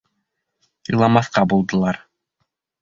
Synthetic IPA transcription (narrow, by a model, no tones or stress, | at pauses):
ɤ̆jlˠɑmɑθqɑbulˠd̪ɤ̆lˠɑɾ